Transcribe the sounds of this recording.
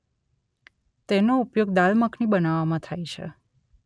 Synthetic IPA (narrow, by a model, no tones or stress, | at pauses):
t̪enoupjoɡd̪alməknibənaʋamãt̪ʰajt͡ʃʰḛ